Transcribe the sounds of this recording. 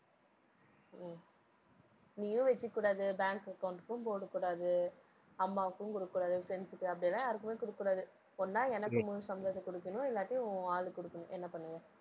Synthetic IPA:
niːjʊ̃ʋɛt͡ʃːɯkːuːɽaːðɯbaːŋkɐkːɐʊɳʈkːɯ̃mpoːɽɯkːuːɽaːðɯ | ɐmːaːkːɯ̃kʊɽɯkːuɽaːðɯfɾɛnsɯkːɯɐpːɐɽɪjɐlːãːjaːɾɯkːɯmeːkɔɽɯkːuːɽaːðɯ | ɔnːãːɛnɐkːɯmʊ̃sɐmɾɐðɐkɔɽɯkːɐnʊ̃ɪlːaːʈːiʊ̃aːlɯkɔɽɯkːɐnʊ̃ʔɛnːɐpɐɳːɯŋɡɐ

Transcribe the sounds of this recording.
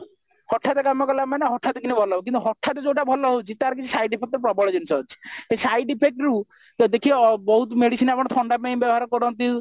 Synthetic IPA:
hɔʈʰːat̪ekamɔkɔlamanɦɔʈʰːat̪ekinibʱɔlɔɦɔbukint̪uɦɔʈʰːat̪ed͡ʒoʈabʱɔlɔɦowt͡ʃʰit̪aɾkit͡ʃʰisajɖipʰek̚ʈ̪pɾɔbɔɭɔd͡ʒinisɔɦot͡ʃʰi̥esajɖipʰek̚ʈɾu | d̪ekʰiɔbɔɦut̪ɔmeɽisinapɔɽ̃ɔt̪ʰɔɳɖapejbjɔbɔɦaɾɔkɔɾɔnt̪i

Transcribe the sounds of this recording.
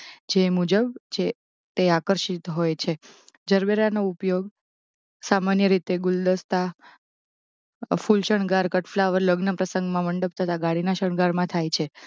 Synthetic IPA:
d͡ʒemud͡ʒəbt͡ʃʰe | t̪eakəɾʃit̪ɦojt͡ʃʰed͡ʒəɾbeɾanoupjoɡ | samanjəɾit̪eɡuld̪əst̪a | fulʃəɳɡaɾkəʈʰflaʋəɾləɡnəpɾəsəŋɡmãməɳɖəp̚t̪ʰət̪aɡaɽinaʃəɳɡaɾmãt̪ʰajt͡ʃʰe

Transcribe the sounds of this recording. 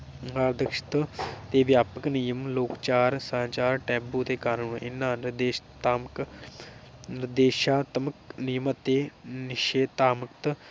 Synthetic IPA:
aːɾd̪əkʃɪ̥t̪t̪eːʋjaːpəknijəmloːkt͡ʃaːɾsãːt͡ʃaːɾʈɛ̃ːbuːt̪eːkaːnuːnɪnːãːnɪd̪eːʃt̪aːmk | nɪɾd̪eːʃaːt̪əməknɪjəmət̪eːnɪʃeːt̪aːməkt̪

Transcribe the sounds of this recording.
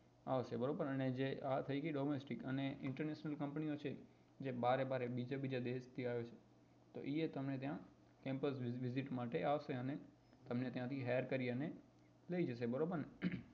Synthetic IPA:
a̰ʋsebəɾobəɾəned͡ʒeat̪ʰəikiɖɔmesʈikəneɪɳʈəɾneʃnəlkəmpniot͡ʃʰe | d͡ʒebaɾebaɾebid͡ʒabid͡ʒad̪est̪ʰiaʋjot͡ʃʰe̥ | t̪o̰ʔiet̪əmnet̪jã | kɛ̃mpəsʋɪziʈmaʈeaʋseəne | t̪əmnet̪jãt̪ʰiɦeəɾkəɾiəne | ləid͡ʒəs̬ebəɾobəɾ

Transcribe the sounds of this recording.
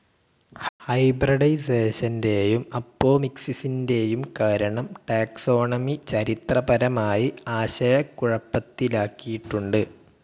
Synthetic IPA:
hɐjbrɐɽɐjse̞ːɕɐnde̞jumɐpːo̞ːmiksisinde̞jumkaːɾɐɳɐmʈaːkso̞ːɳɐmit͡ɕɐɾit̪rɐbɐɾɐmaːjiaːɕɐjɐkːuɻɐpːɐt̪ːilaːkːijiʈːuɳɖɨ

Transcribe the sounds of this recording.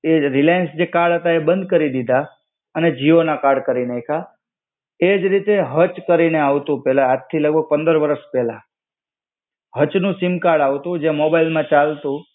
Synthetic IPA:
eɾilajnsd͡ʒekaɾɖɦət̪aebənd̪ʱkəɾid̪id̪ʱa | əned͡ʒionakaɾɖkəɾineekʰa | ed͡ʒɾit̪eɦət͡ʃkəɾineaʋt̪ũpɛlaad̪t̪ʰːiləɡ̚bʱəɡ̚pə̃nd̪əɾʋəɾəʃpɛla | ɦət͡ʃnũsimkaɽaʋt̪ũd͡ʒemobailmãt͡ʃalt̪ũ

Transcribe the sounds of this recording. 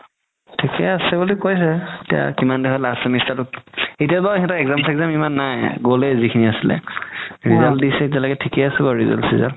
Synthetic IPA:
tʰikɛasɛbulikojs̬ɛetia̰kimandɛɦɔlasɛmistatʊt̚etiabaɛtaɛɡzamsɛɡzamimanːajɡolɛzikʰiniasilɛ̰ɹizaldisɛit̬ialaɡɛtʰikɛasɛbɔɹiza̰lsiza̰l

